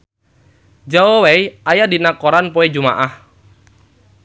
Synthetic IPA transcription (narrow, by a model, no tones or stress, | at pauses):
d͡ʒawowejajadinakoɾanpoed͡ʒuma̰ʔah